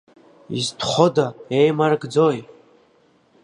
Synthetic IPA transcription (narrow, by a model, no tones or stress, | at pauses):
ḭztʰχʷodaejmarɡd͡zoj